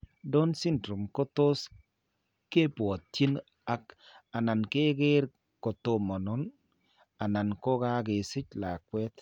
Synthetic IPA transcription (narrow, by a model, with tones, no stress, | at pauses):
dɔ˦nsɪ˦ndɾu˨mko˦to˦s | ke˦pwɔ˨ttji˦n | a˦ka˨na˨nke˦ɡɪ˦ɾ | ko˨to˦mɔ˨nɔ˦n | a˨na˨nko˦ɡa˦ɡɪ˨sɪ˦t͡ʃla˨kwɛ˦t̪